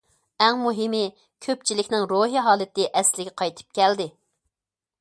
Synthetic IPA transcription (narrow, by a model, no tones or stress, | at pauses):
ɛŋmuɦɪmɪ | kʲʰøp̚t͡ʃʰilɪkʲnɪŋɾoɦiɦɑːlˠɨt̪ɪʔɛslɪɡʲɛqʰɑjt̪ʰɨ̥p̚kʲɛld̪ɪ